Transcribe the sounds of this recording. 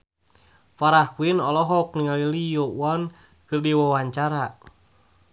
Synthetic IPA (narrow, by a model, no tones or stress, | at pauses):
faɾahkuinɔlɔɦɔk̚niŋalilijɔwɔn | kɨrdiwɔwaɲt͡ʃaɾa